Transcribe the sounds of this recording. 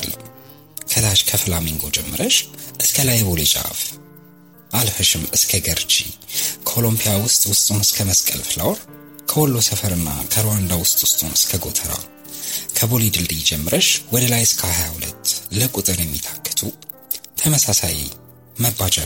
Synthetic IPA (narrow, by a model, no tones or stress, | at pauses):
lːə | kʰət̪aʃkʰəfɨlamiŋɡo̞d͡ʒɛmːɨɾəʃʔɨskʰəlajɛbo̞let͡ʃʼa̰f | ʔalfəʃɨmɨskʰəɡəɾt͡ʃʼḭkʰəolompʰijawʊst̪ʼwʊst̪ʼunɨskʰəməskʼə̰lflawɾ | kʰəwɔlːo̞səfəɾɨnːa̰kʰəɾwand̪awʊst̪ʼwʊ̥st̪ʼunɨskʰəɡo̞t̪ʰəɾa̰ | kʰəbo̞lid̪ɨld̪ijd͡ʒɛmːɨɾəʃwɔd̪əlajɨskʰəhajahulə̰t̪ʰːləkʼut̪ʼɨɾjɛmːit̪ʰakʰːə̥t̪ʰu | t̪ʰəməsasajḭ | məbat͡ʃʼa